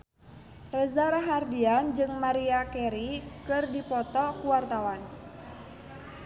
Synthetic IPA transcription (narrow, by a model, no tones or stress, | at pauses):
rəzaɾaɦardiand͡ʒɨŋmaɾiakɛɾikɨrdipɔt̪ɔkuwart̪awan